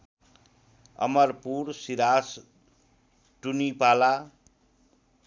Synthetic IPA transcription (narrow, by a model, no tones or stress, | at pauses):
ʌ̰mʌrpuɾsiɾas | ʈunipala